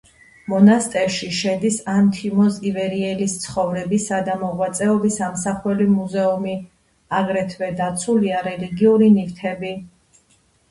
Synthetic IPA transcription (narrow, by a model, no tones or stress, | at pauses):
mɔnast̪ʼɛɾʃiʃɛd̪isant̪ʰimɔzivɛɾiɛlist̪sʰχɔvɾɛbisad̪amɔʁwat̪sʼɛɔbisamsaχwɛlimuzɛumi | aɡɾɛt̪ʰvɛd̪at̪sʰuliaɾɛliɡiuɾinift̪ʰɛbi